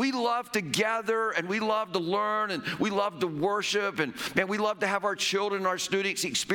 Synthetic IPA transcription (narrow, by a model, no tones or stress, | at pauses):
wilʌv̥tɨɡæðə˞ɨ̃nwilʌv̥təlɜ̃˞nɨ̃nwilʌvtəwɜ˞ʃɪpɨ̃nmæ̃nwilʌv̥tɨːvaʊə˞t͡ʃʰɪlˠdɹɨ̃naʊə˞stʉɾn̩tsɨkspɪ